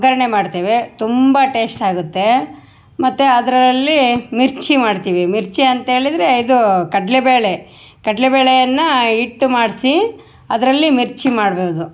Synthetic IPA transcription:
ɡɐɾɐɳemaːɖt̪iːʋet̪umbɐʈe̞ːsʈaːɡut̪ːe̞ | mɐt̪ːeɐd̪ɐɾɐlːimiɾt͡ʃimaːɖt̪iːʋimiɾt͡ʃiɐnt̪ɐɦe̞ːɭid̪ɾe̞id̪ukɐʈlebeːɭe | kɐʈlebeːɭejɐnːɐiʈːmaːɖsi | ɐd̪ɾɐlːimiɾt͡ʃimaːɽbeːud̪u

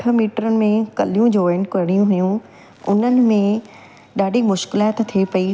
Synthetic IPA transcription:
əmiːʈɾənɪ̆mẽkɐlijũd͡ʑoːʋeɳɖkɐɾɽ̃ijũɦʊjũ | ʊ̰n̤ənɪ̆mẽ | ɗaːɖʱimʊʃkɪlaːt̪t̪ʰiepɐi

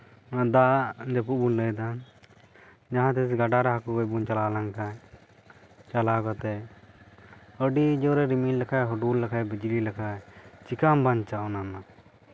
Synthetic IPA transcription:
d̪ad͡ʒəpuʔ̚bunləjd̪an | d͡ʒaɦãt̪ɛsɛɡaɖaɾaɦakuɡɔbunt͡ʃalalaŋkaj | t͡ʃalakɔt̪ɛ | əɖid͡ʒɔwɾɛɾimillakʰajɦɔɖulːakʰajbid͡ʒlilakʰajt͡ʃikambaɲt͡ʃaɔnama

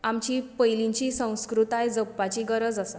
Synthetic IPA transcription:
amt͡ɕiːpəjlĩɲt͡ɕiːsə̃w̃skɾut̪ajd͡zəpːat͡ɕiːɡəɾəd͡zasa

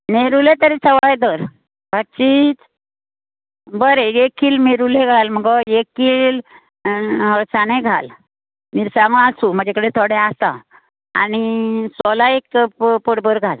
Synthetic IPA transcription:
neɾulẽt̪əɾit͡sʰəʋajd̪əɾ | bʱaɕiːt͡s | bəɾeekːiːlmeɾuleɡʱalməɡɔekːiːl | ɦəɾsaneɡʱa̰l | miːɾsãŋɡəasum̤əd͡ʑakəɽet̪ʰoɽeast̪a̰ | a̰nisɔlaekpəɽbəɾɡʱal

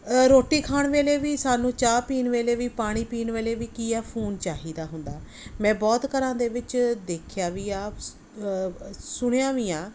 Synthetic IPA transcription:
ɾoːʈiːkʰaːɳʋeːleːʋiːsaːnũːt͡ʃaːpiːnʋeːleːʋiːpaːɽ̃iːpiːnʋeːleːʋiːkiːɛːpʰuːnt͡ʃaːɦiːd̪aːɦʊnd̪aː | mɛ̃ːbɔːt̪kəɾãːd̪eːʋɪt͡ʃd̪eːkʰjaːʋiːaːp | sʊɽ̃jãːʋiːaː

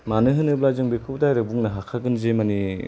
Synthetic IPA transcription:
manɯɦɯnɯblazɯŋbekʰɯwdajɾɯbuŋnɯɦakʰaɡɯnzemani

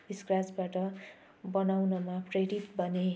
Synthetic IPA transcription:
biskrad͡zbaʈʌ | bʌnawnʌmapreɽit̪bʱʌne

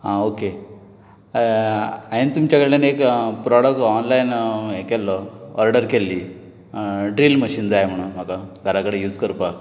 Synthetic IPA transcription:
ɦãoke | aɦint̪umt͡ɕjakəɽlanekpɾɔɽək̚tɔnlajnekelːɔəɾɖəɾkelːi | ɖɾilməɕiːnd͡zajm̤əɽ̃unm̤akaɡʱəɾakəɽejuːd͡zkəɾpa

